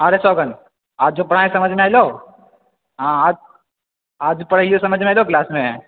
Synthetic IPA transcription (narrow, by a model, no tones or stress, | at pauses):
əɾesɔːɡən | aːd͡ʒd͡ʒopɐɽ̤aːẽsɐməd͡ʒʱmẽaːilo | ɦãaːd͡ʒ | aːd͡ʒpɐɽəijosɐməd͡ʒʱmeajloklaːsmẽ